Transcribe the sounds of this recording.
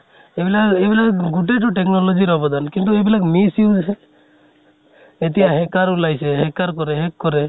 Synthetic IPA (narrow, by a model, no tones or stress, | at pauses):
ebilaebilaɡuʈeʈ̬ɔʈeknɔlod͡ʒiɾɔbɔd̪ankint̪̬uebilakmisjud͡ʒɦɛ | et̪iaɦekaɾulajseɦekaɾkɔɾeɦekːɔɾe